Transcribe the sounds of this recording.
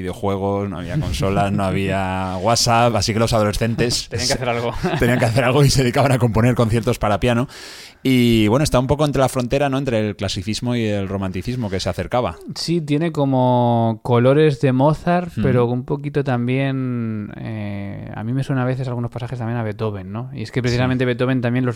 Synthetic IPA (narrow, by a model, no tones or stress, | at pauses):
iðeo̞xwe̞ɣ̞o̞sno̞a̰β̞iako̞nso̞lazno̞aβ̞iaɣwasapasike̞lo̞sað̞o̞le̞sθe̞nt̪e̞seiaŋkeaθeɾalɣot̪e̞niaŋkeaθe̞ɾalɣ̞o̞ise̞ðikaβanako̞mpo̞ne̞ɾkon̟θje̞ɾt̪o̞spaɾapjano | iβwe̞noest̪aβaump̬o̞k̬ont̪ɾe̞lafɾo̞nt̪e̞ɾano̞ent̪ɾe̞lklasiθizmo̞ielro̞mãnt̪iθizmo̞ke̞seaθe̞ɾkaβa̰sit̪je̞ne̞ko̞mo̞ko̞lo̞ɾe̞zðe̞mo̞θaɾpe̞ɾo̞umpo̞kit̪ot̪ambje̞nḛa̰mĩmeswenanaβe̞θe̞salɣuno̞spasaxest̪ambjenaβe̞t̪oβe̞nːo̞ḭe̞skepɾeθis̬ament̪e̞βe̞t̪o̞βe̞nt̪ambje̞nlo̞s